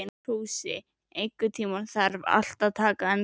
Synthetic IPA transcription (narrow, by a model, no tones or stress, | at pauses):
ɪnt̪ʰuːwsɪ̰ | ejkʏt̪ʰiːmanθaɾva̰l̥t̪aðt̪ʰaːkaɛn